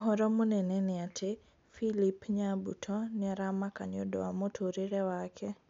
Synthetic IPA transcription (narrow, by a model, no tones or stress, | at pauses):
ɦɔɾɔmonɛnɛneatʰe | filipɲabutʰɔniaɾamakaɲodowamotʰoɾiɾewakʰɛ